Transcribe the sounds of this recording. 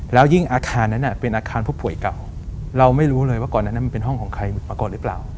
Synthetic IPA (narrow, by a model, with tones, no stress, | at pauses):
lɛː˦˥wji˥˩ŋʔaː˧kʰaː˧nːa˦˥nʔa˨˩pe˧nʔaː˧kʰaː˧npʰu˥˩pu˨˩əjka˨˩w | ɾa˧wma˥˩jɾuː˦˥lɤː˧jwaː˥˩kɔ˨˩nːa˦˥nː˦˥m˧pe˧nɦɔ˥˩ŋkʰɔː˩˦ŋkʰa˧jmɯ˨˩maː˧kɔː˨˩nɾɯ˦˥pla̰ː˨˩w